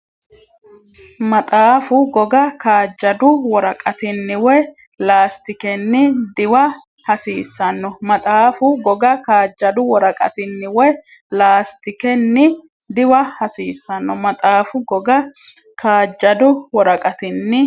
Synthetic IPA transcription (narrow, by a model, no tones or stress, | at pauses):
mɐt̪ʼaːfʊɡɔɡɐkaːd͡ʒːɐd̪ʊwɔɾɐkʼɐt̪ɪnːɪwɔ | laːst̪ɪkɛnːɪd̪ɪwɐ | hɐsiːsːɐnːɔmɐt̪ʼaːfʊɡɔɡɐkaːd͡ʒːɐd̪ʊwɔɾɐkʼɐ̰t̪ɪnːɪwɔ | laːst̪ɪkɛnːɪ | d̪ɪwɐhɐsiːsːɐnːɔmɐt̪ʼaːfʊɡɔɡɐ | kʰaːd͡ʒːɐd̪ʊwɔɾɐkʼɐt̪ɪnːɪ